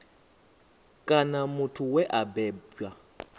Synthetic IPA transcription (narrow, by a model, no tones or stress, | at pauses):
kʼanamʊtʰʊwɛʔabɛːbwa